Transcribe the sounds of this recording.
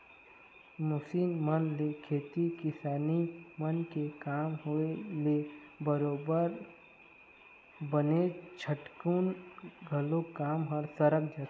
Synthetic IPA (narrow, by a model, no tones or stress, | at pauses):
mʊsiːnmənlekʰeːt̪ikɪsaːnimənkekaːmɦoele | bəɾoːbəɾ | bənet͡ʃʰəʈkuːnɡʱəlokaːmɦəɾsəɾək̚d͡ʒa